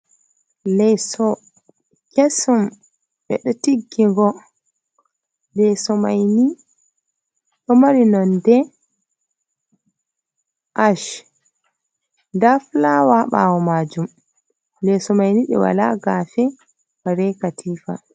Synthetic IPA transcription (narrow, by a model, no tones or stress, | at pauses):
lɛjsɔ | kesum | ɓɛ̰ɗɔtiɡːiŋɡɔ | lɛsɔmajni | ɗɔmaɾinɔndɛ | ʔaʃ | daflawaɓa̰wɔmaːd͡ʒum | lɛsɔmajniɗɛ̰wa̰laɡafɛ | waɾɛkatʰiːfa̰